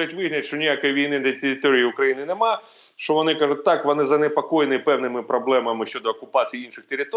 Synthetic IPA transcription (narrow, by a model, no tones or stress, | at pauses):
ɪtʲʋɪɦʲnʲjɐt̪ʲʃt͡ʃɔnʲijakɔjiʋʲijnɪd̪ɐt̪eɾʲɪt̪ɔɾʲɪjiʊkɾɐjinɪnɛmɑ | ʃt͡ʃɔʋɔnɪkɑʐʊt̚ʲt̪ɑkʋɔnɪzɐnepɐkɔjɪnɪpɛwnɪmɪpɾɔblˠɛmɐmɪʃʲt͡ʃɔd̪ɔːkʊpɑt͡sʲijinʃɪxt̪eɾʲɪt̪ɔ